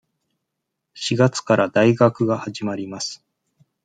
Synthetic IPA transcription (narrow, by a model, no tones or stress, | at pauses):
ɕiɡat͡sɨ̥kaɾad̪aiɡakɯ̟ɡahaʑimaɾʲimasɨ̥